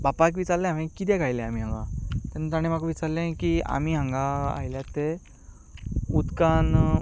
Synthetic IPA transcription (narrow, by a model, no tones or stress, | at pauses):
bapakʋit͡saɾlẽãmẽkit̪̬ɛ̃kajlẽam̤iːɦãŋɡa̰t̪ɛnut̪aɽ̃ẽmakʋit͡saɾlẽkia̰m̤iːɦãŋɡaa̰jljat̪e | ut̪kan